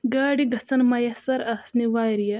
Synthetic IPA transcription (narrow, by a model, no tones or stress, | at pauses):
ɡaːɽiɡɐt͡sɐnmɐjɐsɐɾɐsniʋaːɾijɐ